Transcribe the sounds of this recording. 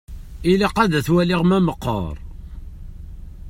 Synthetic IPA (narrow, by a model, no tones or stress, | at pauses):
iliqæðæθwæliʁmæməqːə̰ɾˤ